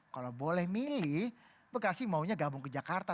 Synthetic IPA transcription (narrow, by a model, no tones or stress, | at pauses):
kalawbolɛhmilih | bəkasɪhmauɲaɡabʊŋkəd͡ʒakart̪a